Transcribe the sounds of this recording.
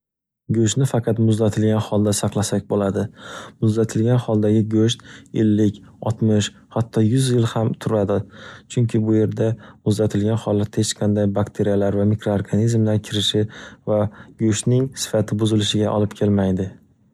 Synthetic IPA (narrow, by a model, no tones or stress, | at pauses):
ɡɵʃ̬t̪nɪfɑqʰɑt̪mʊzd̪at̪ʰɪlɡʲanhɒlˠd̪asɑqlˠasak̚ʲbolad̪ɪmʊzd̪at̪ʰɪlɡʲanhɒlˠd̪aɡʲɪɡɵʃt̪ḛlːɪkʲɒt̪mɪʃ | hat̪ʰːɒjʊzjɪlhamt̪ʰʊɾad̪ɪt͡ʃʰʊŋkʲʰɪbʊje̞ɾd̪amʊzd̪at̪ʰɪlɡʲanhɒlˠːat̪het͡ʃqʰɑnd̪ajbakt̪ʰeɾijalaɾvamikɾoaɾɡanizmlaɾkʲʰɪɾɪʃɪvaɡɵʃt̪nɪŋsɪ̥fat̪ʰɪbʊzɪlɪʃɪɡʲaʔɒlɪpkʲʰe̞lmajd̪ɪ